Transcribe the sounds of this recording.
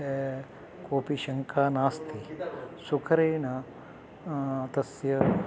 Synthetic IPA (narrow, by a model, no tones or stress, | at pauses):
koːpiʃɐŋkʰaːnaːst̪ʰisukʰɐɾeːɳɐ | t̪ɐsjɐ